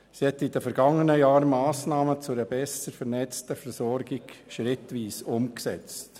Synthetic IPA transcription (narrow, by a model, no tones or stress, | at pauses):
sihɛt̪id̥əfɛɾɡ̥ɑŋːənəjaːɾmɑːsnɑːmət͡sʊɾəbɛsəɾfɛɾnɛt͡stəfɛɾsɔɾɡɪɡ̥ʃɾɪtʋiːsʊmksɛt͡st